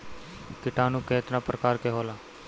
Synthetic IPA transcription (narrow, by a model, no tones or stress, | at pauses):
kɪʈaːnũːkeːt̪nãːpɾəkaːɾkeɦoːlaː